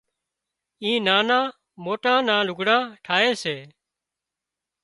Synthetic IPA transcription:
ĩːnaːnãː | moːʈãːnãːlʊɡɽãːʈʰaːeːseː

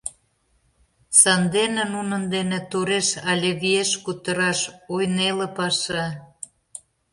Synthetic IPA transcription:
sɑnd̪enĕnunə̆nd̪enĕt̪oɾeʃɑlʲeβieʃkut̪ə̆ɾɑʃojnelĕpɑʃɑ

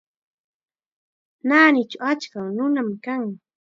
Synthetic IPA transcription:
naːnɪt͡ʃawat͡ʃkawnʊnamkaŋ

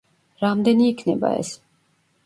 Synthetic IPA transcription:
ɾamd̪ɛniikʰnɛba̰ɛ̰s

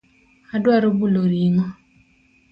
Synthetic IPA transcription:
adwaɾobuloɾiŋɔ

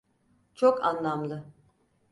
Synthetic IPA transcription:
t͡ʃʰoka̰nlˠamlˠɯ

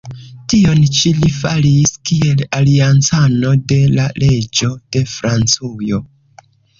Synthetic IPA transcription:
tio̞nt͡ʃilifaliskie̞laliant͡sano̞de̞lalʔe̞d͡ʒo̞d̥e̞fɾant͡sujo̞

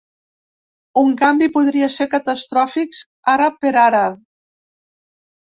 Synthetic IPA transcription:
uŋkambipuðɾiaseɾkat̪ast̪ɾɔfiks | aɾapeɾaɾa

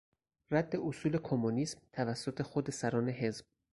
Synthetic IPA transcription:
ræd̪ːe̞ʔosuːle̞kʰomoniːsmt̪ʰævæsːot̪ʰexod̪e̞sæɾɒːne̞ɦe̞zb̥̚

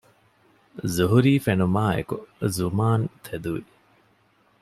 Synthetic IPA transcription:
zuɦuɾiːfenumaːḛkuzumaːnt̪ʰed̪uʋi

